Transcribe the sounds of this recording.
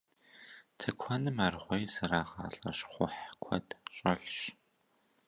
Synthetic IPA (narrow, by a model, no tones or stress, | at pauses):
tʰɨkʷʰɐnɨmaːrʁʷɔjzɨɾaːʁɑ̰ːɬʼɐɕχʷʊ̰ħkʷʰɔdɕʼɐɮɕ